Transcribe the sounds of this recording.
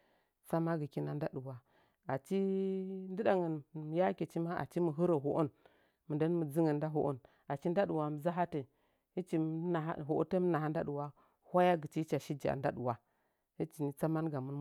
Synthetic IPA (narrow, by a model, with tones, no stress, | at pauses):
sa˦ma˦ɡə˨ki˦na˦n˦da˦ɗu˨wa˨ | a˨t͡ʃi˦ndə˦ɗa˨ŋə˨nm˨ja˦ke˨t͡ʃi˦ma˦a̰˨t͡ʃi˦mu˨ɦə˦ɾo˨ɦo˨ʔo˦n | mə˨da˦nmə˨d͡zi˦ŋə˨nda˦ɦo˨˦ʔo̰˦n | a˨t͡ʃi˦n˦da˦ɗu˨wa˨m˨za˦ɦa˦te˨ | hi˦t͡ʃi˦˨m˦na˨a̰˦ɦo˨ʔo̰˦te˦m˦na˨ɦa˦n˦da˦ɗu˨wa˦ | hʷa˦ja˦ɡə˨t͡ʃi˦t͡ʃa˨ʃi˦d͡ʒa̰˨nda˦ɗu˨wa˦ | hi˦t͡ʃi˨ni˦t͡sa˦ma˦nɡa˨mu˦n